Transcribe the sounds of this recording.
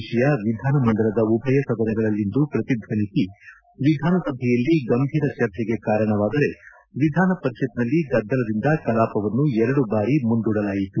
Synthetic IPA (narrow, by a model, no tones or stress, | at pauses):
ʃɛjɐʋid̪ʱaːnɐmɐnd̪ɐɾɐd̪ɐubʱɐjɐsɐd̪ɐɾɛɡɐɭɐlːind̪upɾɐt̪id̪ʱʋɐnisi | ʋid̪ʱaːnɐsɐbʱɛjɐlːiɡɐmbʱiːɾɐt͡ʃɐɾt͡ʃɛɡe̞kaːɾɐɳɐʋaːd̪ɐɾe̞ | ʋid̪ʱaːnɐpɐɾiʃit̪nɐlːiɡɐd̪ːɐlɐd̪ind̪ɐkɐlaːpɐʋɐnːuɛɾɐɽubaːɾimund̪uːɽɐlaːjit̪u